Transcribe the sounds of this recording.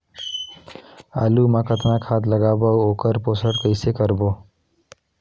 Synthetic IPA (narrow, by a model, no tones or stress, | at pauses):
a̰lumakʌt̪nakʰad̪ləɡabawokəɾposəɽkəjsekʌɾbo